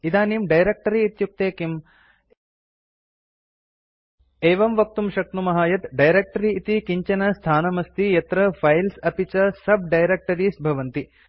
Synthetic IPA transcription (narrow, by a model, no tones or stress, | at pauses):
id̪aːnimɖɐjɾeːk̚ʈɐɾiːt̪juk̚t̪eːkim | eːʋɐmʋɐk̚t̪umʃɐk̪̚numɐɦaːjɐt̪ɖɐjɾek̚ʈɐɾiːt̪ikiɲt͡ʃɐnɐst̪ʰaːnɐmɐst̪ijɐt̪ɾɐpʰɐjlsɐpit͡ʃɐsɐb̚ɖɐjɾek̚ʈɐɾiːsbʱɐʋɐnt̪i